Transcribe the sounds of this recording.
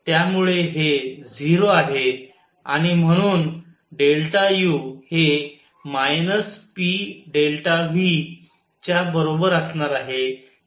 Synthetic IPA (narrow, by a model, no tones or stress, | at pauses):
t̪jamuɭeɦed͡ziɾoaɦe | a̰ɽ̃im̤əɽ̃uːn | ɖelʈajuhe | majnəspiɖelʈaʋi | t͡ɕjabəɾobəɾəsɳaɾaɦe